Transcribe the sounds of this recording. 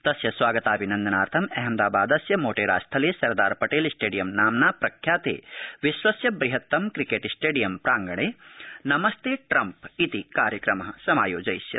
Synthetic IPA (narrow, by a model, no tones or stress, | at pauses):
t̪ɐsjɐsʋaːɡɐt̪aːɐbʱinɐnd̪ɐnaːɾt̪ʰɐmɛɦɛmd̪aːbaːd̪ɐsjɐmoːʈeːɾa̰ːst̪ʰɐleːsɐɾd̪aːɾpɐʈeːlsʈeːɖijɐmnaːmnaːpɾɐkʰjaːt̪ḛːʋiʃʋɐsjɐbɾiɦɐt̪ːɐmkɾikeːʈisʈeːɖijɐmpɾaːŋɡɐɳeːnɐmɐst̪eːʈɾɐmpit̪ikaːɾjɐkɾɐmɐɦɐsɐmaːjoːd͡ʒɐjsjɐ̰